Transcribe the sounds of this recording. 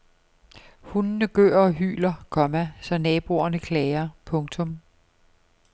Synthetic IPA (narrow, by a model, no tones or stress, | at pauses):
hunnəɡ̥ø̰ːɐ̰ɒ̽ɦy̰ːlɐkʰɒ̽mæsɒ̽nɛːb̥o̝ɐnəkʰlɛɪɐpʰɔ̽ŋt͡sʰɔ̽m